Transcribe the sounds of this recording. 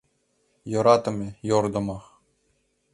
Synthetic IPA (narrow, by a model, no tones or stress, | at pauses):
jɤ̆ɾɑt̪ɤ̆mʲejord̪ɤ̆mɑχ